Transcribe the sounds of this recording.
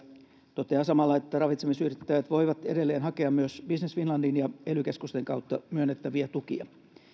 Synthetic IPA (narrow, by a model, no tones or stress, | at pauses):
t̪ot̪eɑsɑmɑlːɑet̪ːærɑʋit̪semisyrit̪ːæʋæt̪ʋoiʋɑt̪edelːeːnhɑkeɑmmyøsb̥isnesfinlɑndinjɑelykeskust̪eŋkɑwt̪ːɑmyønːet̪ːæʋiæt̪ukḭɑ̰